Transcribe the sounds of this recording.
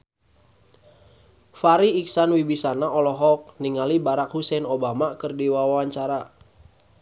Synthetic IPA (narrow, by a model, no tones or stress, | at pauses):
faɾiːksanwibisanaʔɔlɔɦɔk̚niŋalibaɾakhusɛnobamakərdiwawawaɲt͡ʃaɾa